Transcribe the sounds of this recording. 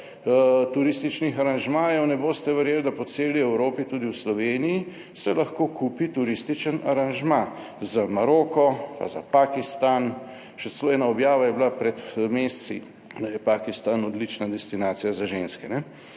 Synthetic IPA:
t̪uɾist̪it͡ʃnixaɾanʒmaːjɔwnɛboːst̪ɛʋɛɾjeld̪apɔt̪seːliɛwɾoːpit̪uːd̪iwslɔʋeːniji | sɛlɐxkoːkʰuːpit̪uɾist̪it͡ʃənaɾanʒma | zamaɾoːkɔpa̰za̰paːkist̪an | ʃɛt͡ssɛloːɛːnaɔbjaːʋajɛbilapɾɛt̪meːst̪si | d̪ajɛpaːkist̪anɔd̪lit͡ʃnad̪ɛst̪inaːt̪sijazaʒenskɛnɛ

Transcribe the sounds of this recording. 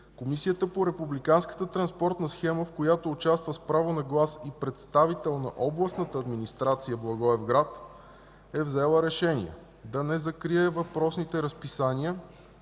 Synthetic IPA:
komisijət̪əpoɾɛpublikanskə̥t̪ət̪ɾɐnspɔɾt̪nəsxɛməfkojat̪oːt͡ʃast̪vəspɾavonɐɡlˠasipɾɛt̪st̪avit̪ɛlˠnɐʔɔblˠəsnət̪əːd̪minist̪ɾat̪sijəblˠɐɡɔɛvɡɾat̪ | ɛvzɛlˠəɾɛʃɛnḭɛ̰ | d̪ɐnɛzɐkɾiɛvɐpɾɔsnit̪ɛɾəspisaniə

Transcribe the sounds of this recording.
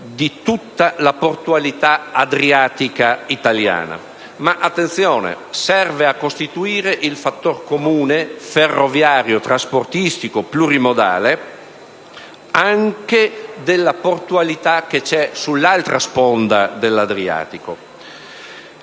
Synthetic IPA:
d̪it̪ut̪ːalaport̪ualit̪aad̪ɾiaːt̪ikait̪alja̰ːna̰ | maʔat̪ːent̪sjɔːnḛ | sɛrveakːost̪it̪uiːɾeʔilfat̪ːorkomuːneferːovjaːɾjot̪ɾasport̪ist̪ikopluɾimod̪a̰ːle | aŋked̪elːaport̪ualit̪ak̟ːet͡ʃɛsulːalt̪ɾʔaspond̪ad̪elːad̪ɾia̰ːt̪iko

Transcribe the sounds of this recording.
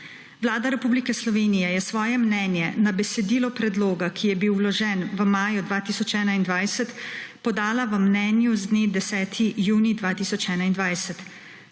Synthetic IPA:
ʋlaːd̪aɾɛpuːblikɛslɔʋeːnijɛjɛsʋɔːjɛmnɛːnjɛnabɛsɛd̪iːlɔpɾɛd̪loːɡakʰijɛbiwːlɔʒɛnʋəmaːjud̪ʋaːt̪iːsɔt͡ʃɛːnaind̪ʋajsət̪pɔd̪aːlaʋəmnɛːnjuzd̪neːd̪ɛsɛːt̪ʰijuːnid̪ʋaːt̪iːsɔt͡ʃɛːnaind̪ʋaːjsət̪

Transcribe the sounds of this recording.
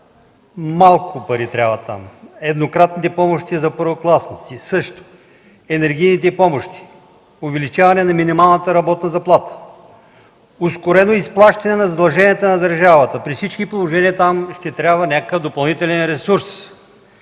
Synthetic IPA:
malˠkʊpɐɾit̪ɾʲabvɐt̪a̰mɛd̪nokɾat̪nit̪ɛpɔmoʃt̪izɐpəɾvoklˠasnit̪sisɤʃt̪ʊ̥ | ɛnɛɾɡ̟ʲijnit̪ɛpɔmoʃt̪i̥ | ʊvɛlit͡ʃavɐnɛnɐminimalˠnət̪əɾɐbɔt̪nɐzɐplˠat̪ə̥ | ʊskʊɾɛnoisplˠaʃt̪ɐnɛnɐzɐd̪ɐlˠʒɛniət̪ənɐd̪ɐɾʒavət̪əpɾifsit͡ʃkipolˠoʒɛniət̪amʃt̪ɛt̪ɾʲabvənʲakəkəvd̪opɐlˠnit̪ɛlɛnɾɛsuɾs

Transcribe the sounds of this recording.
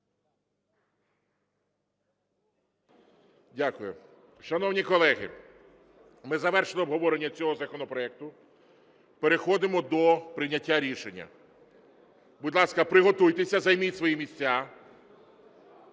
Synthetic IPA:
dʲakʊjʊ̰ | ʃɐnɔwnʲikɔlˠɛɦɪ̰ | mɪzɐʋɛrʃenɔːbɦɔʋɔɾenʲːɐt͡sʲɔɦɔzɐkɔnɔpɾɔɛk̚t̪ʊ | peɾexɔd̪ɪmɔd̪ɔpɾɪnʲɐtʲːaɾʲiʃenʲːɐ̰ | buʊdʲlˠɑskɐpɾɪɦɔt̪ujt̪esʲɐzɐjmisʋɔjimʲisʲt͡sʲa

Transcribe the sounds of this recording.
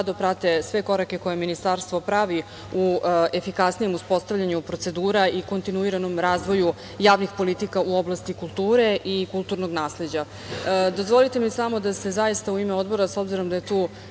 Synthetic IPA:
ad̪opɾat̪e̞sʋe̞ko̞ɾake̞ko̞jeminist̪aɾst̪ʋo̞pɾaʋi | ue̞fikasnije̞muspo̞st̪avʎaɲupɾotse̞d̪uːɾaiko̞nt̪inuiɾano̞mɾaːzʋo̞ju | jaːʋnixpo̞lit̪ikaʔuo̞blˠast̪ikulˠt̪uːɾe̞ʔikult̪uɾno̞ɡnaːsle̞d͡ʑa | d̪o̞zʋo̞lit̪e̞misamo̞d̪ase̞zajist̪auimeo̞d̪bo̞ɾaso̞bziɾo̞md̪ajet̪uː

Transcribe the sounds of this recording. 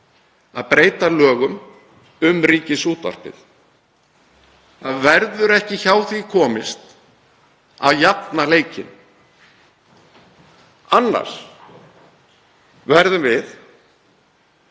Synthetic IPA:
aðpɾeːjt̪alœːɣʏm | ʏmɾiːcɪsuːt̪a̰r̥pɪ̰θ | θaðvɛɾðʏɾɛhcɪçaːwθikʰɔːmɪst̪ | a̰ðjapnaleːjcɪ̰n | anːa̰ɾ̥ | vɛɾðʏmvɪθ

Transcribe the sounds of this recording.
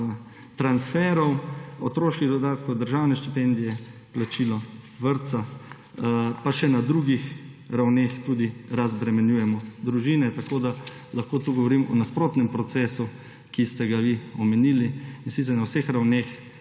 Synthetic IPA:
t̪ɾansfɛːɾɔwot̪ɾoːʃkiɣd̪ɔd̪aːt̪kɔwd̪əɾʒawnɛʃt̪ipɛnd̪ijɛplat͡ʃilɔ | ʋəɾt̪sa | paʃɛnad̪ɾuːɡixɾawnext̪uːd̪iɾazbɾɛmɛnjuːjɛmɔd̪ɾuʒiːnɛt̪akoːd̪a | laxkoːt̪uɡɔʋɔɾimɔ̰naspɾoːt̪nɛmpɾɔt̪sɛːsu | kist̪ɛɡaʋiɔmɛniːliinsit̪sɛɾnawsexɾawneːx

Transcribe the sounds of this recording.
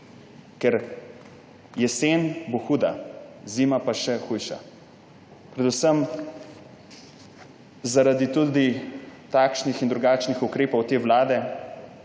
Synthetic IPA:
kɛɾ | jɛsenboxuːd̪aziːmapaʃɛxujʃa̰ | pɾɛd̪usəm | zaɾad̪it̪ud̪it̪akʃnixind̪ɾuɡaːt͡ʃnixukɾeːpɔwt̪eːʋlaːd̪ɛ

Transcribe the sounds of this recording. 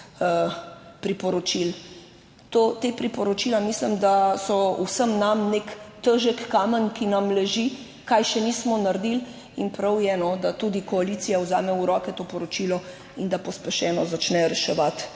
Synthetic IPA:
əpɾipɔɾɔt͡ʃil | t̪ot̪epɾipɔɾot͡ʃiːlamislimd̪asɔṵsəmnamnekt̪əʒəkːaːmənkinɐmlɛʒi | kajʃɛnismɔnaɾd̪il | inpɾawjɛnɔd̪at̪ud̪ikoaliːt̪sijawzaːmɛuɾɔːkɛt̪oːpɔɾot͡ʃilɔ | ind̪apɔspɛʃɛːnɔzat͡ʃnɛɾɛʃɛʋat̪

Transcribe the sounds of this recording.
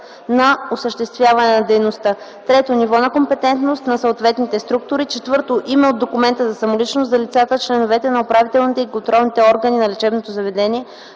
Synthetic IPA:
nɐosəʃt̪ɛst̪vjavɐnɛnɐd̪ɛjnost̪ə | t̪ɾɛt̪onivɔnɐkompɛt̪ɛnt̪nost̪nɐsoot̪vɛt̪nit̪ɛst̪ɾuk̚t̪ʊɾit͡ʃɛt̪vɤɾt̪oʔimɛod̪ːokumɛnt̪əzɐsɐmolit͡ʃnost̪zɐlit̪sat̪ət͡ʃlɛnovɛt̪ɛnɐopɾavit̪ɛlˠnit̪ɛikont̪ɾɔlˠnit̪ɛɔɾɡəninɐlit͡ʃɛbnot̪ozɐvɛd̪ɛniɛ

